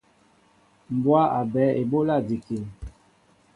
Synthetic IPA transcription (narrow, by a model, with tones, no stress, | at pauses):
m˨bwa˦ʔa˨bɛ˨˦e˨bo˦la˦˨di˨ke˨l